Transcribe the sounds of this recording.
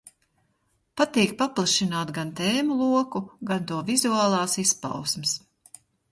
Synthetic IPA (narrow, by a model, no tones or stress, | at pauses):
pat̪iːk̚paplˠaʃinaːt̪ɡant̪ɛːmulˠuɔkuɡant̪uɔvizuaːlˠɑːsispa̰wsmɨs